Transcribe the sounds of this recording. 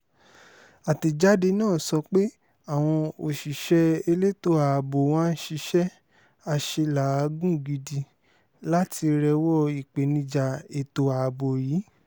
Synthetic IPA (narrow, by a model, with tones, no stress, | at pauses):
a˨ti˨d͡ʒa˦de˧nãː˦˨sɔ˧k͡pe˦ | a˨w̃ɔ̃˧o˨ʃi˨ʃɛ˧e˧le˦to˧˦a˨bo˨w̃ã˦n̩˦ʃi˧ʃɛ˦ | a˧ʃe˧la˨a˨˧ɡũ˦˨ɡi˧di˧ | la˦ti˧ɾɛ˧wɔ˦˨i˨k͡pe˨˦nĩ˧d͡ʒa˧e˧to˧a˨bo˨jiː˨˦